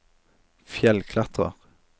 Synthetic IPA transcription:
fjɛlkʰlɑt̪ʁə̰ʁ

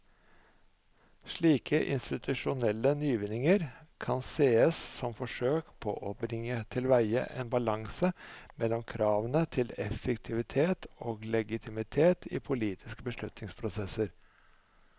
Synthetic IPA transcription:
ʂɭiːkʰəʔɪ̰nst̪ɪt̪ʰʉʂʊnɛlːənyːʋɪnɪŋəɾkʰɑnseːəssɔmfɔʂøːkpʰɔ̰ʔɔbɾɪŋːət̪ʰɪlʋæɪə̰ʔḛːnbɑlɑŋsəmɛlːɔmkʰɾɑːʋənət̪ʰɪlɛfəkt̪ʰɪʋɪt̪ʰeːt̪oːɡlɛɡɪt̪ʰɪmɪt̪ʰeːt̪ʰḭːpʰʊliːt̪ʰɪskəbəʂlʉt̪nɪŋspʰɾʊsɛsəɾ

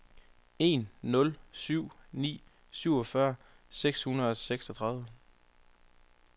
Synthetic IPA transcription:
e̝̰nːɔ̽lsyʊ̰nḭː | syʊɒfɶɐ | seɡ̥shunɐð̩ˠseɡ̥sɒt͡sʰʁɑ̈ðˠʋə

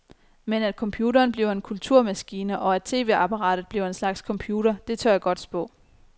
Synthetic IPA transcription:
menæd̥̚kʰɒ̽mpʰjuːɾɐːnb̥liʊe̝nkʰult͡sʰuɐ̰mæsɡ̥iːnəʔɒ̽æd̥̚t͡sʰe̝̰ːʋe̝̰ɑ̈pʰɑ̈ʁɑ̰̈ːd̥ð̩ˠb̥liʊ̰e̝nslɑ̈ɡ̥skʰɒ̽mpʰjuːɾɐd̥e̝t͡sʰøɐjæɡ̥ɒ̽d̥sb̥ɔ̰̽ː

